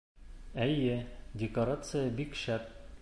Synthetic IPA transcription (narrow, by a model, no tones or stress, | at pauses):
æjɘdʲɪkoɾat̪sɨjəbikɕæp̚